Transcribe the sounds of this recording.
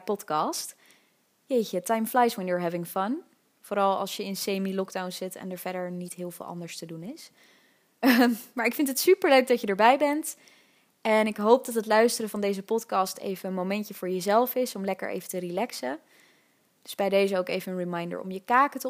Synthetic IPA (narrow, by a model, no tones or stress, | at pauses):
pɔtkɑst | jejxətajmflajswɛnjuːɹɦɛvɪ̃ŋfʌn | fʊːɾɑlˠɑ̰lˠsjəɪnsejmilɔɡdawnz̥ɪtɛ̰nəɹvɛɹdəɹnitɦɪːlˠvɪ̰ːlˠɑ̰ndəɹstədunɪs | maːɹɪkfɪntətsypəɹløɥk̚dɑcədəːɹbɛjbɛnt | ɛnɪkɦowp̚dɑtɦətlœɥstərəvɑndejzəpɔtkɑstḛjvəənmowmɛncəvʊːɹjəzɛlˠfɪsɔmlɛkə̰ɹʔḛjvətərilɛksə | d̥ɵzb̥ɛjdejzəowkejvənənɹimajndə̰ɹɔ̰mjəkaːkətə